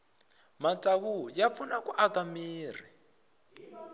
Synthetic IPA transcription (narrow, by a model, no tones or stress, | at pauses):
mat͡saɣujap̪funakuʔaɡamiːr̤i